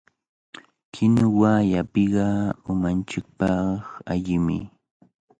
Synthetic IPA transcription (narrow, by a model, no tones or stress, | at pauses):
kʰɪnʊwaːjapɪɢɑʊmant͡ʃɪk̚pɑχaʎɪmɪ̰